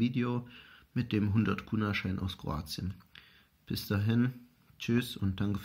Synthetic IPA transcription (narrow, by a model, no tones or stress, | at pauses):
iːdeoːmɪt̚d̥eːmɦʊndɐtkʰuːnaɐʃaɪnʔa̰ʊskʁ̥o̰a̰ːt͡sjən | b̥ɪsd̥aːɦɪn | t͡ʃysʊnt̚d̥aŋkəf